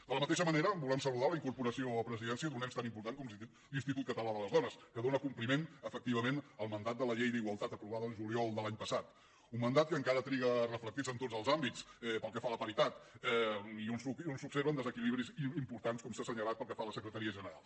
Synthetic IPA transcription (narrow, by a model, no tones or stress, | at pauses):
d̪ələmət̪eʃəməneɾəbulɛmsəluðaləiŋkuɾpuɾəsioəpɾəziðɛnsiəðunɛmst̪animpuɾt̪aŋkɔm | linst̪it̪ut̪̚kət̪əlaðələzðɔnəskəðonəkumplimenəfək̚t̪iβəmenəlˠmənd̪at̪̚d̪ələʎejðiɣwəlˠt̪at̪əpɾuβaðəːlˠʒuliɔlˠd̪əlaɲpəsat̪ | umːənd̪at̪̚kəːŋkaɾət̪ɾiɣərəflək̚t̪izənt̪od͡zəlˠzambit͡sɛpəlˠkɛfaləpəɾit̪at̪ɛiunsuiunsubseɾβənd̪əzəkiliβɾizimpuɾt̪anskɔmsasəɲəlat̪̚pəlˠkɛfaləsəkɾət̪əɾiəʒənəɾa̰lˠ